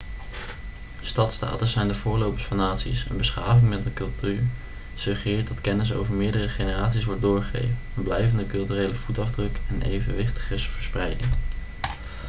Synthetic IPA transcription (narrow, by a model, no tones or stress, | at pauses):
stɑtsta̰ːtəsɛjndəvʊːɹlowpə̥sfɑnːaːtsḭsə̰nbəsχa̰ːvɪŋmɛt̚dəkɵlˠtyːɹ | sɵχərɪːɹt̚dɑtkɛnəs̬o̰wvəɹmɪːɹdərəχejnəraːtsisʋɔɹt̚dʊːɹχəḛjvənɛnblɛjvəndəkɵlˠtyːrejləv̥utɑvdrɵkɛnḛjvənʋɪχtə̥χɪsvəɹsprɛjdɪ̰ŋ